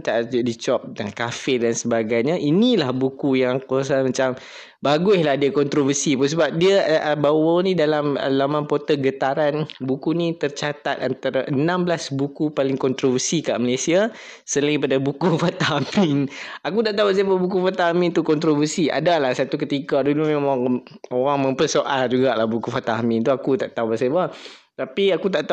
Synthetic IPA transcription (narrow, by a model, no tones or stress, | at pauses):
t̪aʔdit͡ʃɔp̚daŋkafɪdansəbaɡajɲaʔinĩlahbukujaŋkuas̬amat͡ʃam | baɡʊslahdiakɔnt̪ɾovərsipʊns̬əbap̚diaʔəbawanĩdalamə̰lamãnpot̪əɡət̪aɾanbukunĩt̪ərt͡ʃat̪at̪̚ant̪aɾaʔənãmblasbukupalɪŋkɔnt̪ɾovərsika̰ʔməlesia | səlaŋipadabukufat̪aɦamɪnakut̪aʔt̪aɦubaʔs̬ababuk̬ufat̪aɦamɪnt̪ukɔnt̪ɾovərsiʔa̰dalahsat̪ukət̪ikadulumemãŋ | oɾaŋməmpərsoʔald͡ʒuɡaʔlahbukufat̪aamɪnt̪uakut̪aʔt̪aubaʔsaba | t̪apiakut̪aʔt̪a